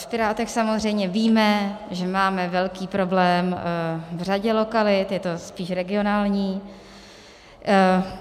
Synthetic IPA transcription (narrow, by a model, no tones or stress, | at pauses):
fpɪɾaːt̪ɛxsamozr̝ɛjmɲɛviːmɛ | ʒɛmaːmɛvɛlkiːpɾo̞blɛːmvr̝aɟɛlo̞kalɪt̪jɛt̪o̞spiːʃɾɛɡɪo̞naːlɲiː